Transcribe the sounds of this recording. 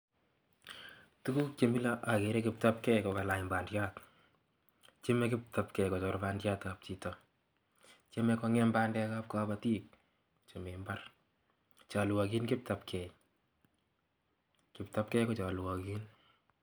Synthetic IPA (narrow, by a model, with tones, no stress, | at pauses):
tu˦ku˦k̚t͡ʃe˨mi˦la˦ʔa˨ke˨ɾe˦kɪp̚ta˦p̚kɛ˦jkɔ˨ka˨la˨jmba˨ndja˦t | t͡ʃe˦mɛ˦kɪ˦p̚ta˨pkɛ˨kɔ˨t͡ʃɔ˨ɾba˦ndja˦ta˨p̚t͡ʃi˨tɔ | t͡ʃe˦mɛ˦kɔŋɛ˦mbaː˦ndɛ˦ka˦p̚kaba˨tiː˦k̚ | t͡ʃe˨me˨mba˦r | t͡ʃa˨lwɔ˨ki˦nkɪ˦p̚ta˨pkʰɛj | kɪp̚tap̚kɛ˦kɔ˨t͡ʃa˨lwɔ˨kin